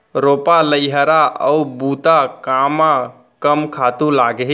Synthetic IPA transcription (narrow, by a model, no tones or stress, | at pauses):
ɾopaləjɦəɾaʔəubut̪akama | kəmkʰat̪ũlaɡeɦ